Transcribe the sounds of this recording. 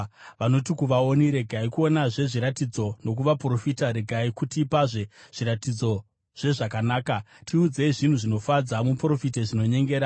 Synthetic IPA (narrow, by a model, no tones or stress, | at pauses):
ʋano̞tikuʋao̞niɾe̞ɡʱaikuo̞naʐe̞ʐiɾatid͡zo̞no̞k̬uʋapro̞fitaɾe̞ɡʱaikutipaʐe̞ʐ̥iɾatid͡zo̞ | ʐ̥e̞ʐakanaːka | tʰiud͡ze̞iʐin̤uʐino̞fad͡zamupro̞fiteʐino̞ɲe̞ŋɡe̞ːɾa